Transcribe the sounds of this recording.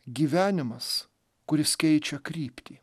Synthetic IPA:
ɡʲiːʋʲæːnʲɪmɐs | kʊɾʲɪskʲɛɪt͡ʃʲɛkɾʲiːpʲt̪ʲiː

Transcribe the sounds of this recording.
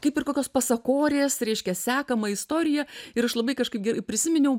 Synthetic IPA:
kɐɪpɪrkoːkʲoːspɐsɐkoːɾʲeːsɾʲɛɪʃʲkʲɛsʲæːkɐmɐɪst̪oːɾʲɪjɛɪɾɐʃlˠɐbɐɪkɐʃkɐɪp̚ɡʲɛrɐɪpʲɾʲɪsʲɪmʲɪnʲɛʊ

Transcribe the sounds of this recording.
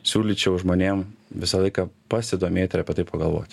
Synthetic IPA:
sʲuːlʲit͡ʃʲɛʊʒmoːnʲeːmʋʲɪsɐlˠɐɪkɐpɐsʲɪd̪oːmʲeːt̪ʲɪɾɐpʲiɛt̪ɐɪpɐɡɐlˠʋo̰ːt̪ʲ

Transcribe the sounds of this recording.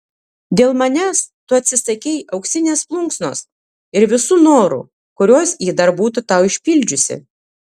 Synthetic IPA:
d̪ʲeːlˠmɐnʲæːst̪ʊɐt̪ʲsʲɪsɐkʲɛɪʔɐʊksʲɪnʲeːsplˠʊŋksnoːs | ɪɾʋʲɪsuːnoːɾṵ | kʊɾʲuɔsjiːd̪ɐɾbuːt̪ʊt̪ɑˑʊɪʃʲpʲɪlʲd͡ʒʲʊsʲɪ̰

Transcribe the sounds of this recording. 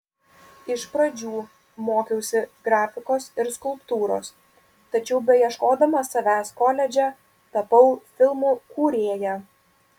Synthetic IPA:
ɪʃpɾɐd͡ʒʲuː | moːkʲɛʊsʲɪɡɾɑːfʲɪkoːsɪɾskʊlˠpt̪uːɾo̰ːs | t̪ɐt͡ʃʲɛʊbʲɛjɛʃkoːd̪ɐmɐsɐʋʲæːskoːlʲɛd͡ʒʲɛ | t̪ɐpɐʊfʲɪlˠmuːkuːɾʲeːjɛ

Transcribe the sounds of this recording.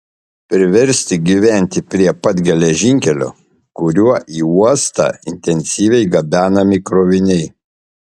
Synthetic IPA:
pʲɾʲɪʋʲɛɾʲsʲt̪ʲɪɡʲiʋʲæˑnʲt̪ʲɪpʲɾʲiɛpɐt̪ɡʲɛlʲɛʒʲɪŋʲkʲɛlʲo̰ː | kʊɾʲuɔʔiːuɔst̪ɑ̰ːɪ̰nʲt̪ʲɛnʲsʲiːʋʲɛɪɡɐbʲæːnɐmʲɪkɾoːʋʲɪnʲɛɪ

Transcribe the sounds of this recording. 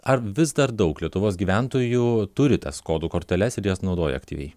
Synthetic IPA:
ɐɾʋʲɪzd̪ɐɾd̪ɒʊklʲiɛt̪ʊʋoːs̬ɡʲiːʋʲæˑnt̪oːjut̪ʊɾʲɪt̪ɐskoːd̪uːkoːɾʲt̪ʲɛlʲɛsɪɾjoːsnɒʊd̪oːjɛ̰ɐkt̪ʲiːʋʲɛ̰ɪ

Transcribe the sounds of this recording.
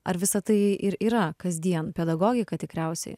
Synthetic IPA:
ɐɾʋʲɪsɐt̪ɐɪʔɪɾiːɾɐkɐzʲd̪ʲiɛnpʲɛd̪ɐɡoːɡʲɪkɐt̪ʲɪkɾʲɛˑʊsʲɛ̰ɪ

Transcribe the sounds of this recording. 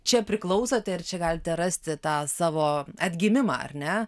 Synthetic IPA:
t͡ʃʲɛpʲɾʲɪklˠɐʊsɐt̪ʲɛɪrt͡ʃʲɛɡɑːlʲɪt̪ʲɛɾɑsʲt̪ʲɪt̪ɑːsɑːʋoːɐd̪ʲɡʲɪmʲɪmɑ̰ːɐ̰rʲnʲɛ

